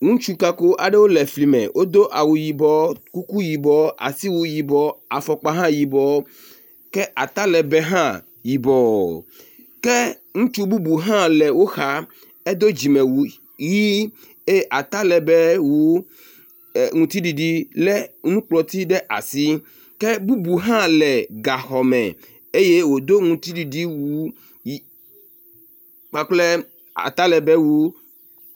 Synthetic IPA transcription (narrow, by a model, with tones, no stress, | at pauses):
ŋũ˦t͡ʃu˦ka˨ko˦ʔa˨ɖe˦wo˦lɛ˨fli˨mɛ̰̃˨wʔo˦d̪o˦ʔa˨wu˨ji˨bɔ˦ku˦ku˦ji˨bɔ˨a̰˨si˦wu˦ji˨bɔ˨˦a˨fɔ˨k͡pa˦ɦã˦ji˨bɔ˨˦ | kɛ˦ʔa˨t̪a˦lɛ˨bɛ˦ɦã˦ | ji˨bɔ˨ | kɛ˦ | ŋũ˦t͡ʃu˦bu˦bu˨ɦã˦lɛ˨wo˦xa˨ | e˦d̪o˦d͡ʑi˨mɛ̃˨wu˨ | ji˦ | e˦ʔa˨t̪a˦lɛ˨bɛ˦wu˦˨ | ŋũ˨t̪i˦ɖi˨ɖi˦lɛ˦nũ˦k͡plɔ˨t̪i˦ɖɛ˦ʔa̰˨si˦ | kɛ˦bu˦bu˨ɦã˦lɛ˨ɡa˨xɔ˨mɛ̰̃˨ | e˦je˦wo˨d̪o˦ŋũ˨t̪i˦ɖi˨ɖi˦wu˦ | k͡pa˦k͡plɛ˦ | a̰˨t̪a˦lɛ˨bɛ˦wu˦